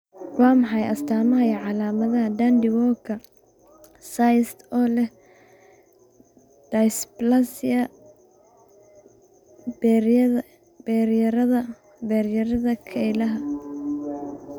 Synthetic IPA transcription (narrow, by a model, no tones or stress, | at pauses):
waːmɑħɑjʔɐst̪ʰaːmɐɦɐjʕɑlaːmɐðɐɦɐd̪and̪ɪwɔkʰɐ | sajst̪ɔːlɛh | d̥ɐjsplɐsɐ | bɛɾjɐɾɐðɐ | bɛɾjɐɾɐðɐkʰɛjlɐɦɐ